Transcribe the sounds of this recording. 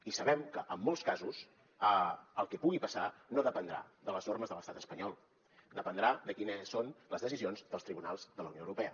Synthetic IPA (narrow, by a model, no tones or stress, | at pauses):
isəβɛmkəʔəmːolˠskazus | əəlˠkɛpuɣipəsanoðəpənd̪ɾa̰ðələznorməzðələst̪at̪əspəɲɔlˠ | d̪əpənd̪ɾad̪əkinəsːonləzðəsizionzðəlˠst̪ɾiβunalˠzðələ̰wnioəwɾupɛə